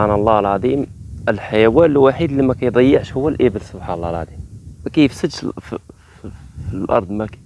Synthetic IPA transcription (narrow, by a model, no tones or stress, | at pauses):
anəlˤːɑhlʕɑd̪ˤimʔəlħajæwænlwaħid̪limækæjd̪ˤɑjːəʕʃhʊwːælʔəbəlsʊbħanɑlˤːɑlʕɑ̰d̪ˤimkæjəfsəʃ | ilʔɑ̰ɾˤd̪ˤmæk